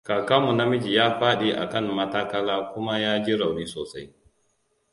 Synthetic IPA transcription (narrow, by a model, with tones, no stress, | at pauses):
kaː˨kaː˦mu˨na˦mɪ˦d͡ʒi˨jaː˦ɸaː˦ɗe˦ʔa̰˨kɐ˦˨nːɐ˦taː˦kɐ˦laː˦kʷʊ˦ma˦jaː˦d͡ʒi˦ɽa˨wɽiː˦soː˨sa˦j